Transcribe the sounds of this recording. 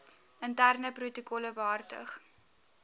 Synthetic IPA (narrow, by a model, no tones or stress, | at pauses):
əntærnəprutokɔləvɑːrtə̰χ